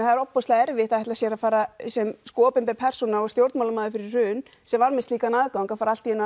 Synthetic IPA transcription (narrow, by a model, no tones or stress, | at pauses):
nθaðɛɾɔppɔst̪aɛɾvɪht̪ahɛht̪asjɛɾafaːɾasɛmskɔːpɪnpɛpʰɛr̥sɔnaɔɣst̪jowɾt̪mawlamaːðʏfɪɾɪɾr̥ʏːn | sɛmvaɾmɪsliːkanaːðkawŋkafaːɾal̥t̪iɛnː